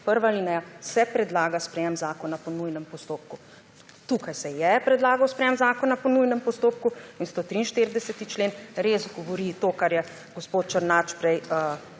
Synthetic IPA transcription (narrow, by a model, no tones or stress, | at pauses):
pəɾʋalinɛjasɛpɾɛd̪laːɡaspɾɛjemzaːkɔnapɔnujnɛmpɔst̪oːp̚ku | t̪uːkajsɛjɛpɾɛd̪laːɡawspɾɛjemzaːkɔnapɔnujnɛmpɔst̪oːp̚kuinst̪ot̪ɾiːnʃt̪eɾid̪ɛsɛt̪it͡ʃleːnɾezɡɔʋɔɾit̪oːkaɾjɛ | ɡospoːt̪̚t͡ʃəɾnaːt͡ʃpɾɛjə